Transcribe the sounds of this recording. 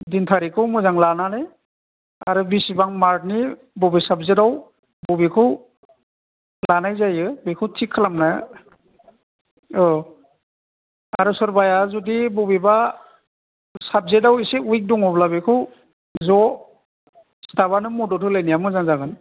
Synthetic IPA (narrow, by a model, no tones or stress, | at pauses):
dintʰaɾikʰɯwmɯzaŋlananɯj | aa̰ɾɯbisibaŋmaɾ̚ni | bɔbisabzedaw | bɔbikʰɯw | lanajzajɯbikʰɯwtʰikʰːɯlamnaj | ɔ | aɾusɔɾbajazudibɔbiba | sab̚zedawiseujk̚duŋɔblaβekʰɯw | zɔ | stʰabanɯmɔdɔtʰɯlajnijamɯzaŋzaɡan